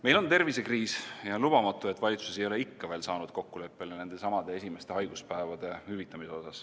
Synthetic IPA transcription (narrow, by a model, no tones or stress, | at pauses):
me̞jlo̞nt̪e̞rvise̞kriːsjɑlub̥ɑmɑt̪ːˑue̞t̪ːˑvɑlʲit̪su̥sejo̞le̞ikːɑve̞ːlsɑːnud̪̥ko̞kːule̞pːe̞lene̞nd̪e̞sɑmɑd̪e̞e̞sʲime̞st̪eɦɑjɡ̥uspæevɑd̪̥e̞hyvit̪ːˑɑmiseo̞sɑs